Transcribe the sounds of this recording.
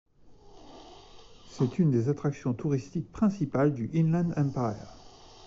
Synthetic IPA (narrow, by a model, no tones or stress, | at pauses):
sɛt̪ynd̪ezat̪χaksjɔ̃t̪uʁist̪ik̚pχɛ̃sipald̪yʔinlɛ̃d̪ɛ̃pa̰